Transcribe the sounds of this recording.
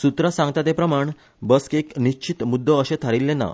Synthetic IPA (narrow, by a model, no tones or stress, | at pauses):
sut̪ɾəsãŋɡt̪at̪epɾəmaɳ | bəskekniɕt͡ɕit̪mud̪ʱːəːɕẽt̪ʰaɾilːẽna̰